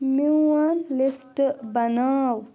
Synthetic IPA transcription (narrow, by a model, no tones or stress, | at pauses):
miwɐnlisʈbɐnaw